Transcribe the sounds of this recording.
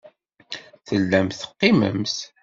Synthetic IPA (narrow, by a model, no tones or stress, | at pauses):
θəlːæmθə̥qːɪmə̰mθ